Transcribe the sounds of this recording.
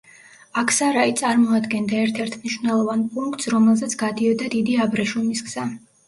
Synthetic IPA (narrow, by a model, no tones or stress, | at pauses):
akʰsaɾait̪sʼaɾmɔad̪ɡɛnd̪aɛɾt̪ʰɛɾt̪ʰmniʃwnɛlˠɔvanpʼuŋkt̪sɾɔmɛlˠzɛt̪sʰɡ̥ad̪iɔd̪ad̪id̪iabɾɛʃumisɡz̥a